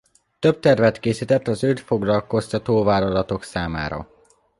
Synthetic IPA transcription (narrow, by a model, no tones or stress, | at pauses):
t̪ø̞b̚t̪ɛrvɛt̪keːsit̪ɛt̪ːɒzøːt̪fo̞ɡlɒlko̞st̪ɒt̪oːvaːlɒlɒt̪o̞ksaːma̰ːɾɒ̰